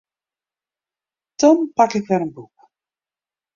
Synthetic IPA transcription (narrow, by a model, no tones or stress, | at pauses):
tɔmpakɪkʋɛlənbuk